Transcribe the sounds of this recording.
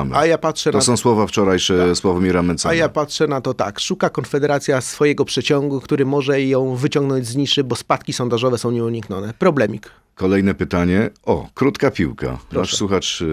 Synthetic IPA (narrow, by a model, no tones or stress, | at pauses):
m̰ajapatʂɛnɔsɔ̃swɔvaft͡ʂɔɾajʂɛswɔvamʲiɾamɛnt̪sajapatʂɛnat̪ɔt̪a̰kʂukakɔnfɛd̪ɛɾat̪sʲjasfɔjɛɡɔpʂɛt͡ɕɔŋɡukt̪uɾɘmɔʐɛjɔ̃w̃vɘt͡ɕɔ̃ŋɡnɔɲd͡ʑzɲiʂɘbɔspat̪kʲisɔnd̪aʐɔvɛsɔ̃w̃ɲɛuɲikɲɔnɛpɾɔblɛmʲik | kɔlɛjnɛpɘt̪aɲɛɔ̰kɾut̪kapʲiwka̰pnɾɔaʂswuxat͡ʂ